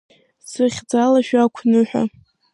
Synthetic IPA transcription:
sɨχʲd͡zalaʃᶣakʷʰnɨħʷᶣa̰

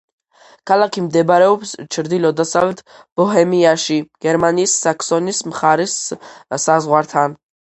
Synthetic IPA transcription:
kʰalˠakʰimd̪ɛbɾɛɔpst͡ʃʰɾd̪ilɔd̪asavlɛt̪ʰb̥ɔɦɛmiaʃiɡ̥ɛɾmaniːsːaksɔnismχaɾissazʁwaɾt̪ʰan

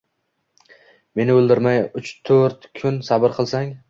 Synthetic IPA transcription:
me̞nɪɵlˠd̪ɪɾmajʊt͡ʃt̪ʰoɾt̪kʰʊnsabɪɾqʰɨlˠsaŋ

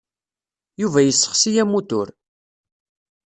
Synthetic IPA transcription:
juvæjəsːə̥χsijæmːut̪ʊɾ

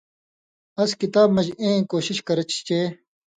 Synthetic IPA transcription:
ɐskit̪aːb̚mɐd͡ʑẽːkoːɕiɕkɐɾɐt͡ɕt͡ɕeː

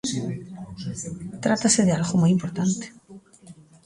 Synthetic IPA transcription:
t̪ɾat̪aseðealɣomajimpoɾt̪ant̪e̥

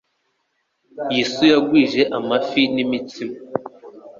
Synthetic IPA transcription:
jisujaɡwiːʒeʔamafinimitima

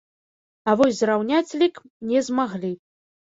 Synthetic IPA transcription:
ɐvɔsʲzrawnʲat͡sʲlʲik | nʲɛzmaɣlʲi

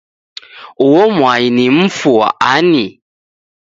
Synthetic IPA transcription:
ʊwɔmwajinim̩fua̰ʔani

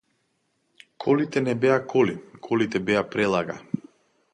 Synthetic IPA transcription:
kʰɔlit̪ɛnɛbɛakʰɔlikʰɔlit̪ɛbɛapɾɛlˠaɡa̰

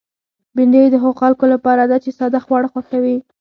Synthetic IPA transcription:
bɪndejd̪əɦaɣoxalkolapɑɾad̪at͡ʃesɑd̪axwɑɽxwaxawi

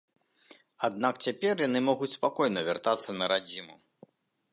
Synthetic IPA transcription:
ad̪nakt͡sʲapʲɛrjanɨmɔɣut͡sʲspakɔjnɐvʲart̪at̪sːɐnɐɾad͡zʲimu

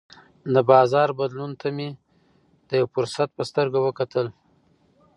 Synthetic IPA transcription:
d̪əbɑzɑɾbad̪lunt̪ʰame | d̪əjawfʊɾsat̪̚pəst̪əɾɡawəkat̪ʰəl

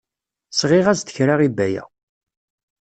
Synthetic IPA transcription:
sʁɪʁæzt̪əçɾaʁibæjæ̰

